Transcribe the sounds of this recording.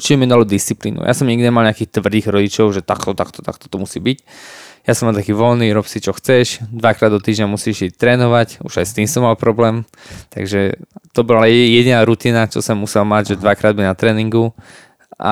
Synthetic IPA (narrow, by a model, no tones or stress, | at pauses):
t͡ʃiɛmiɛd̪alud̪ist͡siplḭːnṵja̰sɔmɲiɡd̪iɲɛmalɲakiːxt̪ʋrd̪iːɣɾɔɟit͡ʃɔʊʒɛt̪a̰kt̪ɔt̪akt̪ɔ̥t̪a̰kt̪ɔ̥t̪ɔmusiːbicjasɔmalt̪akiːʋɔlniɾɔpsit͡ʃɔxt͡sɛʃd̪ʋakɾaːd̪ɔt̪iːʒɲamusiːʃit̪ɾɛːnɔʋacṵʒajst̪iːmsɔmːalpɾɔblɛːm | t̪a̰ɡʒɛt̪ɔbɔlaajɛɟinaːɾut̪iːnat͡ʃɔ̰sɛmːusɛlmaɟʒɛd̪ʋakɾaːd̪binat̪ɾɛːniŋɡu | ʔa̰